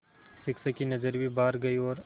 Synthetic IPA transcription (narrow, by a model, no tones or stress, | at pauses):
sɪksəkinɐd͡ʒəɾbʱibaːɾɡɐiɔːɾ